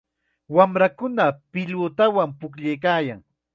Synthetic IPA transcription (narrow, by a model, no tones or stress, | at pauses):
wamɾakʊnapɪʎʊt̪awampʊkʎejkaːjaŋ